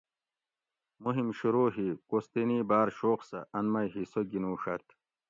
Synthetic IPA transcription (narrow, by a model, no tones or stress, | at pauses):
muɦimɕuɾoːɦikost̪eniːbaːɾɕoːqsɐ̰ʔɐnmɐjɦisoɡinuːʂɐt̪ʰ